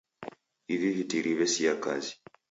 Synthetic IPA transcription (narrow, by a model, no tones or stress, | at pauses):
ivivitiɾʔiβɛsijakazi̥